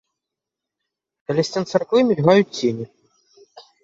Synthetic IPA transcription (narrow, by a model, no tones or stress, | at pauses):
kɐlʲɛsʲt͡sʲɛnt̪sɛrkvɨmʲilʲɣajut͡sʲt͡sʲenʲi